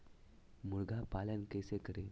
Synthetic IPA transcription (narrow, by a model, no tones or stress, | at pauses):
muɭɡʱapaljankesekəɾe